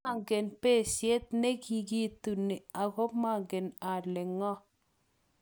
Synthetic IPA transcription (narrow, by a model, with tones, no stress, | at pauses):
a˦˨ŋɡe˨npe˦˨sje˦t̚ne˦ki˨ɡi˦tu˨ni˨a˨ɣɔ˦ma˦ŋɡɪ˨na˨lɪ˨ŋɔ˦